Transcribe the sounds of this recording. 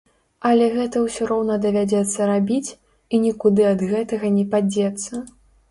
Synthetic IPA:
ɐlʲɛɣɛt̪ɐwsʲiɾɔwnɐd̪ɐvʲad͡zʲɛt̪sːɐɾabʲit͡sʲ | inʲikud̪ɨɐd̪ɣɛt̪ɐɣɐnʲɛpad͡zʲɛt̪sːɐ

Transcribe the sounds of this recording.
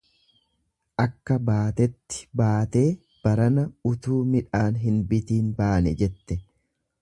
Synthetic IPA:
ʔɐkːɐbaːt̪ɛt̪ːɪ̥baːt̪e̞ː | b̥ɐɾɐnɐʊt̪uːmɪᶑaːnɦɪnbɪt̪iːnbaːnɛd͡ʒɛt̪ːɛ

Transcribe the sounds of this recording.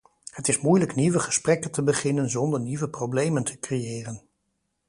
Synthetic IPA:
hətɪsmujləkniʋəχə̥sprɛkəntəbəχɪnənzɔndəɹniʋəprowblejməntʰə̥krejɪːrən

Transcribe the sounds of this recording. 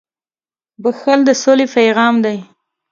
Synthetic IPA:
bəxald̪əsolepajɣɑmd̪aj

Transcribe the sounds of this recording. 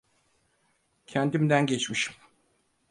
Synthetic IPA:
cʰɛnt̪imd̪ænɟɛt͡ʃmiʃi̥m

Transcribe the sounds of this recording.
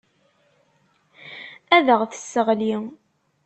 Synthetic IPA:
æðəʁθə̥sːəʁli

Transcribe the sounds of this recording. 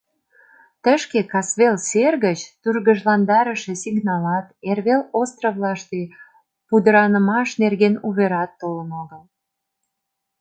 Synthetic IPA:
t̪əʃkekɑsβelserɣət͡ɕt̪yrɣəʒlɑnd̪ɑɾəʃesiɡnɑlɑt̪erβelost̪rəvlɑʃt̪e | pud̪əɾɑnəmɑʃnerɣenuβeɾɑt̪ːolənoɣəl

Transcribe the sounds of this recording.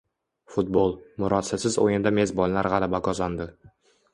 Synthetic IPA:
fʊt̪̚bolˠmʊɾɒt̪sasɪzo̰jɪnd̪ame̞zbɒlˠlaɾʁɑlabaɡɒzand̪ɪ

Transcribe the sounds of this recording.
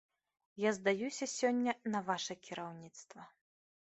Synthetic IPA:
jazd̪ajusʲɐsʲɔnʲːɐnɐvaʂɐkʲiɾawnʲit̪st̪vɐ

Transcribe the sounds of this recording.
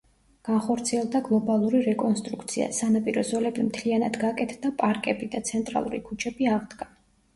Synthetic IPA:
ɡ̥anχɔɾt̪sʰiɛlˠd̪aɡlˠɔbalˠuɾiɾɛkʼɔnst̪ʼɾukʰt̪sʰia̰sanapʼiɾɔzɔlɛbimt̪ʰlianad̪ɡakʼɛt̪ʰd̪apʼaɾkʼɛbid̪at̪sʰɛnt̪ʼɾa̰lˠṵɾḭkʰut͡ʃʰɛbiaʁd̪ɡa

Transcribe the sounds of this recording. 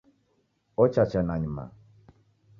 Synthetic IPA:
ɔt͡ʃat͡ʃanaɲima̰

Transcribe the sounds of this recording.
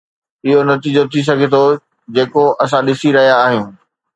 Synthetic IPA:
ɪɦonɐt̪iːd͡ʑot̪ʰis̬ɐɡʱet̪ʰo | d͡ʑeːkoʔɐs̬ãɗɪsiɾɐɦijaːɦjũː

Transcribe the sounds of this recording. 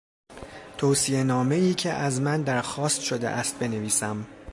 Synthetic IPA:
t̪ʰoːsienɒːme̞iːcʰe̞ʔæzmænd̪æɾxɒːst̪ʃo̞d̪ḛʔæst̪̚be̞neviːsæm

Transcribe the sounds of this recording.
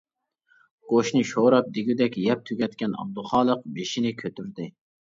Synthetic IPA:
ɡ̥oʃnɨʃoɾɑp̚d̪ɪɡʲyd̪ɛkʲjɛp̚t̪ʰyɡʲɛt̪kʲɛnɑ̰b̚d̪uχɑːlˠəq̚beʃinɪkʲʰøt̪ʰyɾd̪ɪ

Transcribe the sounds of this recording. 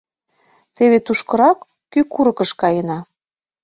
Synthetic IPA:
t̪eβet̪uʃkɤ̆ɾɑkː | ykuɾɤ̆kɤ̆ʃkɑjənɑ

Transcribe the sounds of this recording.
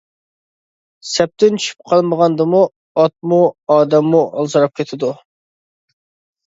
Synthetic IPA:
sɛp̚t̪ɪnt͡ʃʰy̥ʃʰy̥p̚qʰɑlˠməʁɑnd̪ɨmu | ɑt̪̚muɑːd̪ɛmːuʔɑ̰lˠzɨɾɑp̚kʲʰet̪ʰɪd̪u

